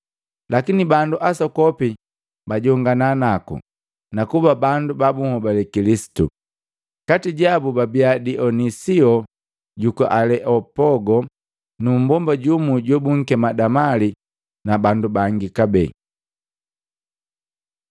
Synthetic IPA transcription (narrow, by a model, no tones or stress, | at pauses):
lakinibanduʔasɔkɔpi | baɟɔŋɡananakṵ | nakubabandubabuŋhɔbalɛkilisi̥tṵ | katiɟabubabiadiʔɔnisiɔ | ɟukɔʔalɛʔɔpɔɡɔ | num̩bɔmbaɟumuɟɔbuŋ̩kɛmadamali | nabandubaŋɡikabɛ